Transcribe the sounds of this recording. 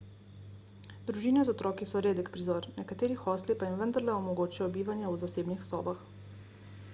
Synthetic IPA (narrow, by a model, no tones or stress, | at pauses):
d̪ɾuʒiːnɛzɔt̪ɾɔːkisɔɾeːd̪ɛkpɾizɔːɾnɛkat̪eːɾixɔːslipajimʋənd̪aɾlɛɔmɔɡoːt͡ʃijɔbiːʋanjɛwzaseːbnixsɔ̰ːbax